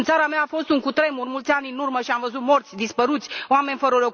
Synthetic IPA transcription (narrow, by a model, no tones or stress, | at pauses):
nt̪saɾameaːfo̞st̪uŋkut̪ɾe̞murmult̪sʲanʲɨnurməʃiamvəzut̪mo̞rt̪sʲd̪ispəɾut̪sʲoame̞nʲfəɾəlok